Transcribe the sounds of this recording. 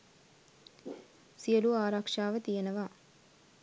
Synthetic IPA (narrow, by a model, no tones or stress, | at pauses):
sijɐluaːɾaːkʂaːʋɐt̪ijɐnɐʋaː